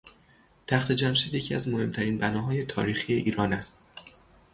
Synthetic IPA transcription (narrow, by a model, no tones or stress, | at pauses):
t̪ʰæxt̪ʰe̞d͡ʒæmʃiːd̪je̞cʰiːæzmohe̞mt̪ʰæɾiːnbænɒːɦɒːje̞t̪ʰɒ̰ːɾiːxijeʔiːɾɒːnæst̪